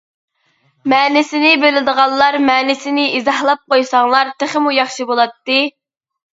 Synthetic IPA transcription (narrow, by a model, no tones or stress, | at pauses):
mɛːnɪsɪnɪbelɪd̪əʁɑlˠlˠɑɾmɛːnɪsɪnɪizɑhlˠɑp̚qojsɑŋlˠɑɾt̪ʰɪχɪmujɑχʃibolˠɑt̪ːɨ